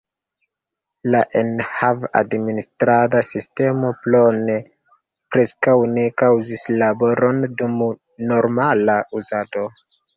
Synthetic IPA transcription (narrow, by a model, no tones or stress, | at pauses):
laʔenhava̰dministɾadasiste̞mo̞plone | pɾe̞skawne̞kawzislabo̞ɾo̞ndum | no̞ɾmalauzado̞